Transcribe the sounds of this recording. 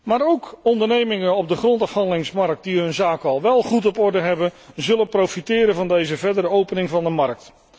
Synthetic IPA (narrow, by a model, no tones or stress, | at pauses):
maːɾowkɔndəɹnejmɪŋənɔb̚dəχrɔntɑfhɑndəlɪŋsmɑɹk̚t̚diɦɵnzaːkɑlˠʋɛlˠχutɔpɔɹdəɦɛbəzɵləprowfitɪːɾəvɑndejzəvɛɹdəɾəowpənɪŋvɑndəmɑɹk̚t